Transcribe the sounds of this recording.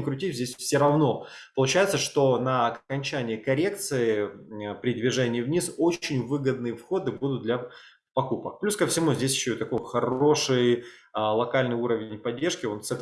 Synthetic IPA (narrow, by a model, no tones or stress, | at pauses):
nʲkɾʊtʲifʲzʲdʲesʲfsʲoɾɐvno̞pəlˠʊt͡ɕæjɪt̪səʂt̪o̞nəɐkɐnʲt͡ɕænʲɪjəkɐɾʲe̞k̚t̪sɨɪpɾʲɪd̪vʲɪʐɛnʲɪːvnʲiso̞t͡ɕɪnʲvɨɡəd̪̚nɨjəfxo̞d̪ɨbud̪ʊt̪̚d̪lʲɐ | pɐkupək̚plʲuskəfsʲɪmuzʲdʲesʲjɪɕːoit̪ɐko̞jxɐɾo̞ʂɨjlˠɐkalʲnɨjuɾəvʲɪnʲpɐdʲːe̞rʂkʲɪo̞nsɐ